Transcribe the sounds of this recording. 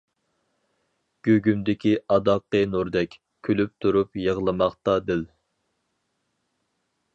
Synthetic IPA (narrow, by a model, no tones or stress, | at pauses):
ɡ̥ʲøɡʲymd̪ɪkʲʰiʔɑd̪ɑqːənuɾd̪ɛkʲ | kʲʰːølyp̚t̪ʰuɾupjəʁlˠɨmɑχt̪ɑd̪ɪl